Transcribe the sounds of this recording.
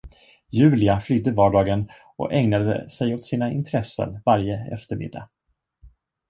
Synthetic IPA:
jʉ̟ːlɪaflyːd̪əvɑːɖɑːɡən | ɔ̰ʔɛŋnad̪ə̰sɛjot̪siːnaɪ̰nt̪ʰɾɛsːə̰nvaɾjəɛ̰ft̪əɾmɪ̰d̪ːa̰

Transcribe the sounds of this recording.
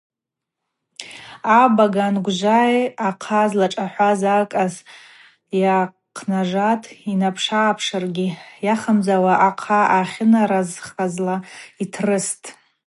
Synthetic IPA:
abaɡanɡʷʒʷajaqʰazlaʈ͡ʂʼaħʷazakʼaz | ja | qʰnaʐatʰʼinapʰʂaːpʰʂarɡʲijaχamzawaʔaqʰaaχʲɪnaɾazχazlaitʰrɨstʼ

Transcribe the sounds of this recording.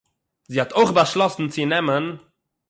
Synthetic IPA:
ziːhatoɪχbaʃlˠɔsn̩t͡sɪnɛmən

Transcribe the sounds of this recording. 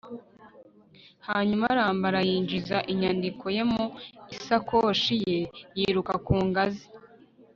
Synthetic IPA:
haːɲumaɾaːmbaɾajiːɲd͡ʒizaʔiɲandikʰo̞je̞muisakoʃijejiːɾukakuːŋɡazi

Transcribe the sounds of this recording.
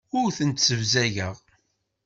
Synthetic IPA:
ʊɾθənt̪səvzæʝəʁ

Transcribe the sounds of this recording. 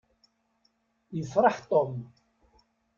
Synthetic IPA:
jəfɾˤɑħt̪ˤom

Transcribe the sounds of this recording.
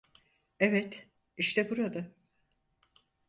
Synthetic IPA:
evɛt̪ | iʃt̪ʰɛbuɾad̪a

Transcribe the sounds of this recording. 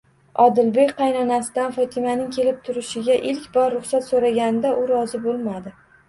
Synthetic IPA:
ɒd̪ɪlbe̞kʲqʰɑjnɒnasɪd̪anfɒt̪ʰɪmanɪŋkʲʰe̞lɪp̚t̪ʰʊɾɪʃɪɡʲaʔɪlkʲbɒɾːʊχsat̪soɾaɡʲanɪd̪aʔʊɾɒzɪbolˠmad̪ɪ

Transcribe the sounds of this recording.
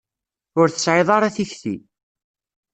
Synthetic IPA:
ʊɾθə̥sʕɪðˤɑɾˤɑθiçθḭ

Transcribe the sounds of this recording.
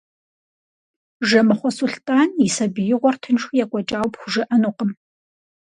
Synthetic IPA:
ʒɐmɨχʷɔsuɬtʼaːnisɐbijɪʁʷɔrtʰɨnʂʊjakʷʼɔt͡ʃʼaːwpxʷʊʒɪʔɐnuqəm

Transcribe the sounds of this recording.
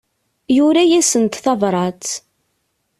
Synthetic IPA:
jʊɾæjæsənt̪θɑvɾˤɑt͡s̪

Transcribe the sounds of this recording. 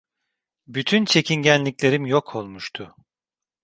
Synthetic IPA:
byt̪ʰynt͡ʃʰe̞cʰinɟænlʲiclʲe̞ɾimjokʰo̞lˠmuʃt̪ʰʊ

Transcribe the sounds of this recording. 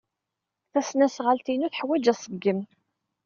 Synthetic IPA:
θæsnæsʁalt̪inuθħwæd͡ʒæsˤəɡːəm

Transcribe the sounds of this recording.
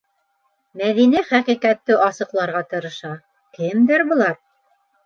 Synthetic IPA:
mæðiniχæqiqæt̪ːɘʔɑsɤ̆qlˠɑɾʁɑt̪ɤ̆ɾɤ̆ʃɑ | kɘmd̪ɘɾbŏlˠɑɾ

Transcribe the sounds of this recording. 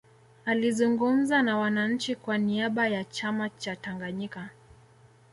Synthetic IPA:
alizuŋɡum̩zanawanaɲ̩t͡ʃikwaniaɓajat͡ʃamat͡ʃataŋɡaɲika

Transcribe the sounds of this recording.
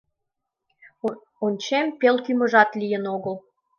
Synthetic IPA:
onʲt͡ɕempelkymə̆ʒɑt̪lʲijə̆noɣəl

